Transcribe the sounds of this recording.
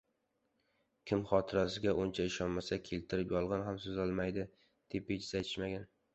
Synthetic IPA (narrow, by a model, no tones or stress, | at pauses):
kʲʰɪmχɒt̪ʰɪɾasɪɡʲaʔʊnt͡ʃʰaɪʃɒnmasakʲʰe̞lt̪ʰɪɾɪpjɒlˠʁɑnɦamsozɒlˠmajd̪ɪ | d̪̥e̞pet͡ʃʰɪzajt̪ʰɪ̥ʃmaɡʲan